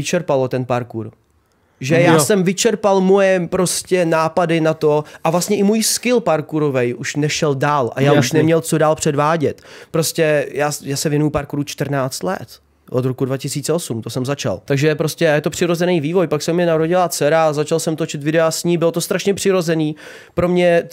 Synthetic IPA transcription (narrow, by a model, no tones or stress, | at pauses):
ɪt͡ʃɛɾpalot̪ɛnpaɾkuɾ | ʒɛjaːsɛmvɪt͡ʃɛɾpalmo̞jɛpɾo̞scɛnaːpadɪnat̪o̞ʔavlast̪ɲɛʔɪmuːjskɪlpaɾkuɾovɛjʔuʃnɛʃɛldaːlʔa̰jaːuʃnɛmɲɛlt͡so̞daːlpr̥ɛdvaːɟɛt̪pɾo̞scɛjaːjaːsɛvjɛnujupaɾkuɾuːt͡ʃt̪rnaːt͡st̪lɛ̰t̪ | ʔod̪ɾokudvacɪsiːt͡sɛo̞sumt̪o̞sɛmzat͡ʃa̰lt̪aɡʒɛpɾo̞scʲɛjɛt̪o̞pr̝̥ɪɾozɛnɛjviːvo̞jpaksɛmːɲɛnaɾo̞ɟɪlat͡sɛɾazat͡ʃalsɛmt̪o̞t͡ʃɪt̪vɪdɛasɲiːbɪlo̞t̪o̞st̪ɾaʃɲɛpr̝̥ɪɾo̞zɛniː | pɾo̞mɲɛ